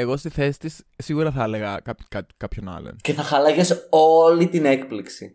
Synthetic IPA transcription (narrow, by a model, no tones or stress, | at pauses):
eɣo̞st̪iθe̞si̥t̪is | sːiɣuɾɐθɐɐle̞ɣɐkɐpkɐt̪i̥kɐpço̞nɐ̰lo̰nce̞θɐxɐlɐʝe̞so̞lit̪ine̞kpliksḭ